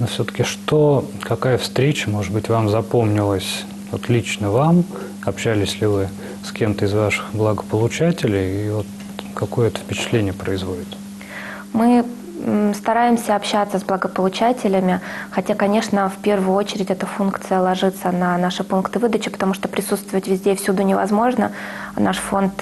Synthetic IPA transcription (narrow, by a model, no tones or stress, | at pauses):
nofsʲot̪ə̥kʲɪʂt̪okɐkajəfst̪ɾʲet͡ɕəmo̞ʐɨd̪̚bɨtʲvamzɐpo̞mnʲɪlˠəsʲ | vot̪lʲit͡ɕnəvam | ɐpɕælʲɪsʲlʲɪvɨ | skʲe̞mt̪əɪzvaʂɨ̥xblˠəɡəpəlˠʊt͡ɕætʲɪlʲɪjivot̪ | kɐko̞jəɛt̪ə̥fpʲɪt͡ɕɪ̥t̪lʲenʲɪjəpɾəɪzvodʲɪt̪ | mɨ | st̪ɐɾajɪmsʲəɐpɕːat̪səzblˠəɡəpəlˠʊt͡ɕætʲɪlʲɪmʲɪxɐtʲakɐnʲe̞ʂnəfpʲe̞rvʊjʊo̞t͡ɕɪɾʲɪtʲɛt̪əfunkt̪sɨjəlˠɐʐɨt̪sənɐnaʂɨpunkt̪ɨvɨd̪ət͡ɕɪpə̥t̪ɐmuʂt̪opɾʲɪsut̪st̪vəvətʲvʲɪzʲdʲefsʲud̪unʲɪvɐ̰zmo̞ʐnənaʂfo̞nt̪